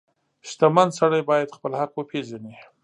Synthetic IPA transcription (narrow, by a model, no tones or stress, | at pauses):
ʃt̪amand̪saɽajbɑjad̪xpəlhaqwəpʰeʒani